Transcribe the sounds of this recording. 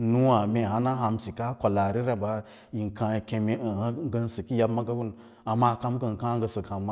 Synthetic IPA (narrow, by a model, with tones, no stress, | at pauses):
nu˦wa˨me˨ɦa˦na˦ɦa˧msi˨ka˦kʷa˨la˨ɾi˦ɾa˨ba˦ | ji˨nkã˧i˨ke˧me˦ə˨ha˦ŋ˦ɡə˦n˦sə˨ki˦ja˦bma˦ɡa˦wu˦n | a˨ma˦˨ka˦mɡə˦˨n˨kã˦ɡə˧˦sə˨kha˨mːa˦